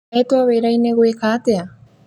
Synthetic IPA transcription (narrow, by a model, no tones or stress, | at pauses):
et̪oaβeɾajneɣwekat̪ea